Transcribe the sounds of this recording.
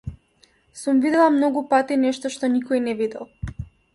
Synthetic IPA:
sumvid̪ɛlˠamnɔɡupat̪inɛʃt̪ɔʃt̪ɔnikɔinɛvid̪ɛlˠ

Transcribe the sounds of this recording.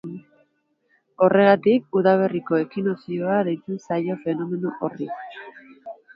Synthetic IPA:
o̞re̞ɣat̪ik̚uðaβ̞e̞riko̞e̞kinosio̞aðejt͡s̪usajo̞fe̞no̞me̞nuʔori

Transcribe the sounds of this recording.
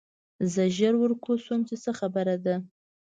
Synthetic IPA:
zəʒəɾwəɾkosomt͡ʃesəxabəɾad̪a

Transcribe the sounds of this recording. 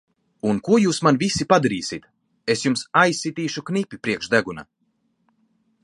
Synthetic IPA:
unkuɔjuːsmanvisipad̪aɾiːsʲit̪ | esjumsajsːit̪iːʃuknipʲipɾiɛkʃd̪æɡuna̰

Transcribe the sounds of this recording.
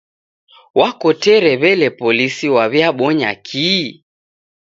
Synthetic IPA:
wakɔtɛɾɛβɛlɛpɔlisiwaβjaɓɔɲa̰kʰiː

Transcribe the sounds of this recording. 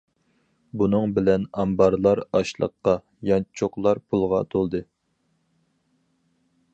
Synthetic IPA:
bunɨŋbɪlɛnɑmbɑɾlˠɑɾɑʃlˠə̰qːɑ | jɑnt͡ʃʰoqlˠɑɾpʰulˠʁɑt̪ʰolˠd̪ɨ

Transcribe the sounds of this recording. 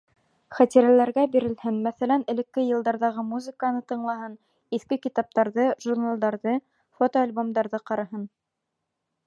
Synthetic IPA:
χæt̪iɾælæɾɡæbiɾɘ̆lhɘnmæθælænɘ̆lɘ̆kːɘjɤ̆lˠd̪ɑɾðɑʁɤmuzɨ̆kanɤt̪ɤ̆ɴlˠɑɦɤn | iθkɘkit̪ɑp̚t̪ɑɾðɤʒurnalˠd̪ɑɾðɤ | fot̪oalʲbomd̪ɑɾðɤqɑɾɑɦɤn

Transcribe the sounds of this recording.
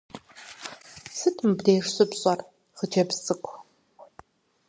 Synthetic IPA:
sɨtʰmɨbdeːʂɕʼɨpɕʼɐr | χəd͡ʒɐbsʼɨkʷʰʼ

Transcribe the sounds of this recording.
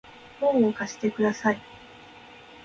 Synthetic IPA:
hõɴokaɕi̥t̪e̞kɯ̟d̪asai

